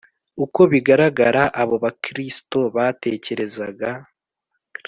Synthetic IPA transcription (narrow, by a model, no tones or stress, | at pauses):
uko̞βiɡaɾaɡaɾaʔaβo̞βakɾisto̞βate̞ːce̞ɾe̞zaɡa